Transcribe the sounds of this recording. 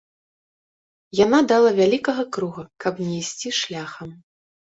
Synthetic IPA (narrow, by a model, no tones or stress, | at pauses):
janad̪alˠɐvʲalʲikɐɣɐkɾuɣɐkʰɐpnʲɛjsʲt͡sʲiʂlʲaxɐm